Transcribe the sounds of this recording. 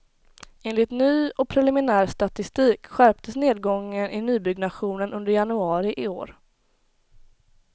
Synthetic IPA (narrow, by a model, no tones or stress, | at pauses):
ʔeːnlɪt̪nyːɔk̚pʰɾɛlɪmɪnæːɾst̪at̪ɪst̪iːkɧæɾp̚t̪ʰəsneːd̪̚ɡɔŋːənʔɪnyːbʏɡnaɧuːnənɵnd̪əɾjanɵɑːɾɪʔɪo̰ːɾ